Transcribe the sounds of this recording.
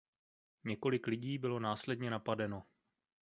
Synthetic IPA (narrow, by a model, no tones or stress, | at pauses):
ɲɛko̞lɪklɪɟiːbɪlo̞naːslɛdɲɛnapadɛno̞